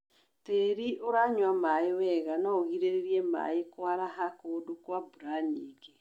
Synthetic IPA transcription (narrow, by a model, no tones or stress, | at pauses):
teɾiʔoɾaɲwamaewɛɣanaoɣiɾeɾeɾiɛma̰ekwaɾaɦakoːdokwabuɾaɲeːɡe